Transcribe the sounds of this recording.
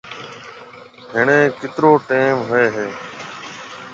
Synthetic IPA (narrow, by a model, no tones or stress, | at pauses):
ɦɪɳẽːkɪt̪ɾoːʈeːmɦʊeːɦeː